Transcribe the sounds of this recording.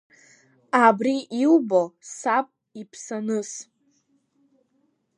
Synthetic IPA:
abriʔilbosapʼ | ipʰsanɨs

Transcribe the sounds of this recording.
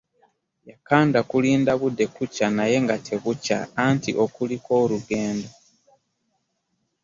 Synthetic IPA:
jakaːndakuliːndaβudːe̞kucanaje̞ŋɡatʰe̞βuca̰ːntḭʔo̞kuliko̞ːluɡe̞ːndo

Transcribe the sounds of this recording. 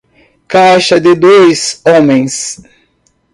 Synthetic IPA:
kajʃɐd̪ɪd̪ojsõmẽj̃s

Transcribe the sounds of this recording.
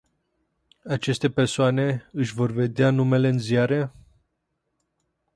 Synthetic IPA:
at͡ʃe̞st̪e̞pe̞rsoane̞ɨʃʲvo̞rve̞d̪eanume̞le̞ɨnziaɾe̞

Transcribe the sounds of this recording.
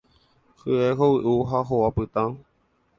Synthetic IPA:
hɨeɦowiʔuɦaɦowapɨt̪ã

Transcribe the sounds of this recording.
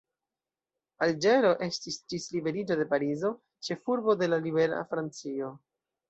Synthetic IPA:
ald͡ʒe̞ɾo̞ʔe̞stisd͡ʒislibe̞ɾid͡ʒo̞de̞paɾizo̞ | t͡ʃe̞fuɾbo̞de̞lalibe̞ɾa̰fɾant͡sio̞

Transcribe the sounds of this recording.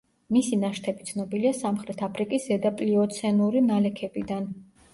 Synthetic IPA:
misinaʃt̪ʰɛbit̪sʰnɔbiliasamχɾɛt̪ʰapʰɾikʼiszɛd̪apʼliɔt̪sʰɛnuɾinalɛkʰɛbid̪an

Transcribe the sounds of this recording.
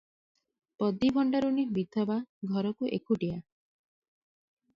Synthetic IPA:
pɔd̪ibʱɔɳɖaɾunibid̪ʱɔbaɡʱɔɾɔkuʔḛkʰuʈia

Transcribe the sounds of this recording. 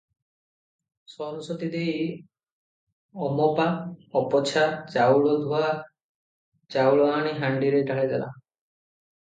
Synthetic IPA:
sɔnusɔt̪id̪ej | ɔmɔpaɔpɔt͡ʃʰat͡ʃawɭɔd̪ʱua | t͡ʃawɭɔaɽ̃iɦaɳɖiɾeʈaɭed̪ala̰

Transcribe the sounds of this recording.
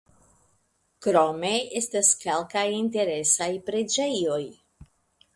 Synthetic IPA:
kɾo̞me̞e̞staske̞lkajinte̞ɾe̞sajpɾe̞d͡ʒe̞jo̞j

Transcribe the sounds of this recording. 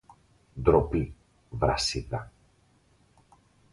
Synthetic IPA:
d̪ɾopi | vɾɐ̰sit̪ɐ

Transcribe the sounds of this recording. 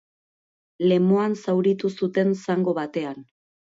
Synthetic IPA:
le̞moansawɾit̪usut̪e̞nsaŋɡo̞βat̪e̞an

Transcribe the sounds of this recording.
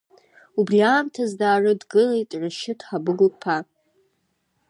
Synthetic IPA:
ubriaːmtʰazdaːrɨdɡɨlejtʼʕʷaʃɪtʰħabɨɡʊlpʰa

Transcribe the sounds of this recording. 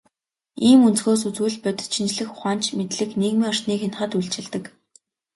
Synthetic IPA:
iːmunt͡sxoːs̬ut͡suːɮpœt̪̆t͡ɕʰint͡ɕɮɘ̆xʊ̥χaːnt͡ɕʰmet̪ɮɘ̆kneːɣmiːŋɔr̥tniːkxenχə̆t̪uɮt͡ɕɪ̆ɮt̪ɘ̆k

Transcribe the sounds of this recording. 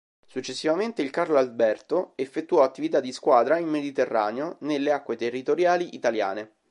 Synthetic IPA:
sut͡ʃːesːivament̪eilkarloalbɛrt̪oefːet̪ːuɔat̪ːivit̪ad̪ːiskwaːd̪ɾaimːed̪it̪erːa̰ːneonelːeakːwet̪erːit̪oɾjaːliʔit̪alja̰ːne

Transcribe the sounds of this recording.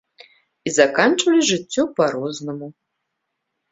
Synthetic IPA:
izakant͡ʂvɐlʲiʐɨt͡sʲːɔpaɾɔznɐmu

